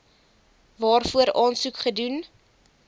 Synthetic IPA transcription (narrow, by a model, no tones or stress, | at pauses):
vɑːrfuəɾɑːnsukχədun